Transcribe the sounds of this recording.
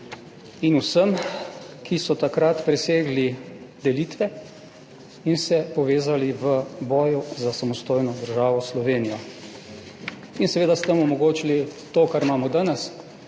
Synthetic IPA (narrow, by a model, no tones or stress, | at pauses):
inusəmkisɔt̪akɾat̪pɾɛseːɡlid̪ɛliːt̪ʋɛ | insɛpɔʋeːzaliʋəbɔːjuzasamɔst̪oːjnɔd̪əɾʒaːʋɔslɔʋeːnijɔ | insɛʋeːd̪ast̪əmɔmɔɡoːt͡ʃilit̪okaɾmaːmɔd̪aːnɛs